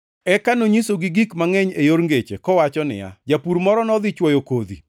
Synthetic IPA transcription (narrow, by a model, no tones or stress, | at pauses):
ɛkanoɲisoɡiɡikmaŋɛɲejoɾŋɡet͡ʃḛkɔwat͡ʃɔnɪ̰ja̰d͡ʒapuɾmɔɾɔnɔd̪ɪt͡ʃwɔjokod̪ḭ